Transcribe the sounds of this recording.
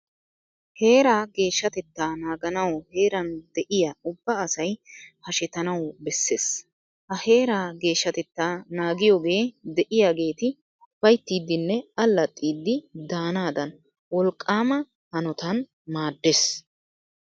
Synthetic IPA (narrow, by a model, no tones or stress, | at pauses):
he̞ːɾaːɡe̞ːʃːɐt̪ɛt̪ːaːnaːɡɐnɐwhe̞ːɾɐnd̪̥ɛʔɪjaʊbːɐːsɐjhɐʃɛt̪ɐnɐwbɛsːeːs | hɐhe̞ːɾaːɡe̞ːʃːɐt̪ɛt̪ːaːnaːɡɪjoːɡe̞ːd̪ɛʔɪjaːɡe̞ːt̪ɪ | bɐjt̪ːiːd̪ːɪnːɛɐlːɐt̪ʼːiːd̪ːɪd̪aːnaːd̪ɐn | wɔlkʼːaːmɐ | hɐnɔt̪ɐn | maːd̪ːeːs